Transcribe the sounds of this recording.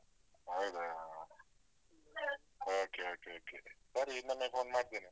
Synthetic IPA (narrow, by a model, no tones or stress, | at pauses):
ajd̪a | oːkeoːkeoːkesɐɾiinːɐmepʰoːnmaːɾt̪ini